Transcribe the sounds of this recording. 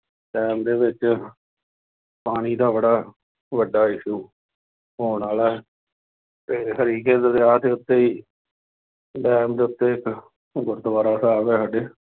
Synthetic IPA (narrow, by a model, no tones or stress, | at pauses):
ɖɛːmd̪eːʋɪt͡ʃ | paːɽ̃iːd̪aːbəɽaː | ʋəɖaːɪʃuː | ɦoːnaːlaː | teːkəɾiːkeːd̪əd̪aːt̪eːʊt̪ːeːiː | ɖɛːmd̪eːʊt̪ːeːɪk | ɡʊɾd̪əʋaːɾaːsaːʋɛːɦəɖeː